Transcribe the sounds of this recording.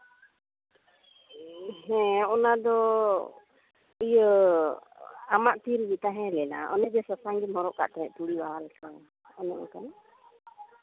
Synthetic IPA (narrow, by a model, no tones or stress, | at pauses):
ɦɛ̃ɔnad̪ɔ | əjə | amaʔt̪iɾbit̪aɦɛ̃lɛna̰ʔɔ̰nɛʔd͡ʒɛsasaŋɡimɔɾɔʔka̰ʔt̪aɦɛʔp̪uɽiwaɦalɛka | ɔnɛʔɔ̰kan